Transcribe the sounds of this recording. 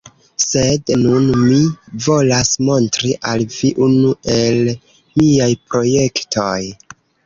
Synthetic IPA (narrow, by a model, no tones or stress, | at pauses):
se̞dnunmivo̞lasmo̞ntɾiʔalviʔunue̞l | miajpɾo̞je̞ktʰoj